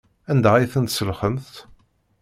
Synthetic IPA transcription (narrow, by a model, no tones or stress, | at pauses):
ænd̪æʁiθənt̪səlχəmθt̪